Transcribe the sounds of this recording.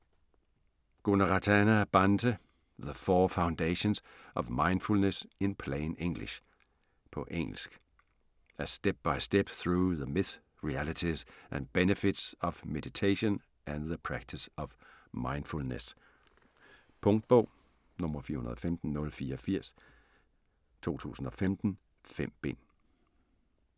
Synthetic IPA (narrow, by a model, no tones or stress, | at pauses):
ɡ̥onəʁɑt͡sʰænæb̥ɑndʰə | ðəfɔːfäʊ̃ndeɪɕõnsʔɒʋmɑ̈ɪ̃nd̥fulnəsɪ̃npʰleɪneŋ̰lḭʃ | pʰɒ̽ʔeŋ̰l̩sɡ̥ | æsd̥eb̥̚b̥ɑ̈ɪsd̥eb̥θʁɹuːðəmɪs | ɹiælət͡sʰizʔæ̃nb̥enəfɪd̥sɒʋmed̥it͡sʰeɪɕɔ̃n | ʔæ̃nðəpʰɹæɡ̥̚t͡sʰisɒ̽ʋ | mɑ̈ɪnd̥fulnəs | pʰɔ̽ŋd̥̚b̥ɔʊ̰ | nɔ̽mɐfiɐhunɐðˠɒfemd̥n̩nɔ̽lfiːɐɒ̽fiɐ̰s | t͡sʰo̝̰ːt͡sʰṵːsn̩ɒ̽femd̥n̩ | fem̰b̥en